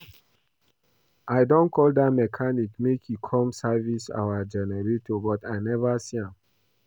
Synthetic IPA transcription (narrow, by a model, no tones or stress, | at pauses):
aɪdɔ̃nkʰɔldatmɛkʰanikmekʰjikʰɔ̃msavisa̰wad͡ʒɛnɛɹetobɔtaɪnɛvasiãm